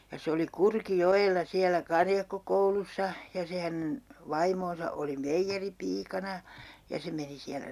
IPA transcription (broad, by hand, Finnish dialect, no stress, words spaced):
jɑ se oli kurkijoelːɑ siælæ kɑrjɑkːokoulusːɑ jɑ se hænen ʋɑimoːnsɑ oli meijːeripiːkɑnɑ jɑ se meni siælæ